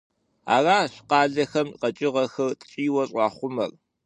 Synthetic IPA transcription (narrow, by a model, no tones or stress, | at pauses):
a̰ːraːɕqɑːɮɐxɐmqɐt͡ʃʼɪʁɐxɐrtʼt͡ʃʼiːwɐɕʼɑːχʷʊmɐr